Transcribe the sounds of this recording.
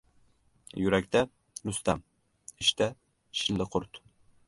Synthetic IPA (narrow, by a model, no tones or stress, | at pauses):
jyɾɛkʲt̪ʰɛ | lust̪ɛm | iʃt̪ʰɛ | ʃilːɪqʰʊɾt̪